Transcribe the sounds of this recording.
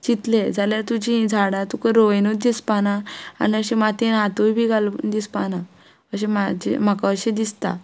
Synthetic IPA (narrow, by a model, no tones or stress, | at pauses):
t͡ɕit̪led͡zʱaljaɾt̪ud͡ʑĩd͡zʱaɽat̪ukəɾoʋenut̪̚d̪ispanaa̰niəɕẽmat̪ẽnat̪obʱiɡald̪ispana | əɕ̬emad͡ʑḛmakaəɕẽd̪ist̪a̰